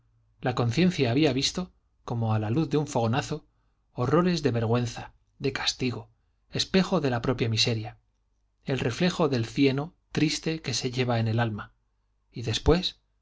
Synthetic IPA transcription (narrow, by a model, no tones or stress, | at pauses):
lako̞nθjẽ̞nθjaːβ̞iaβist̪o̞ | ko̞mo̞alaluθðeuɱfo̞ɣ̞o̞naθo̞ː | ro̞ɾe̞zðe̞βe̞ɾɣ̞we̞nθa | ðe̞kḁst̪iɣo̞ | e̞spe̞xo̞ðe̞lapɾo̞pjamise̞ɾja | e̞lre̞fle̞xo̞ðe̞lθje̞no̞t̪ɾist̪e̞ke̞se̞ʝe̞βae̞ne̞lalma | iðe̞spwe̞s